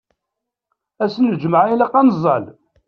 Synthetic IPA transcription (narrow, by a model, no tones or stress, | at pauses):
æsnd͡ʒməʕilæqːɑnzˤːɑ̰l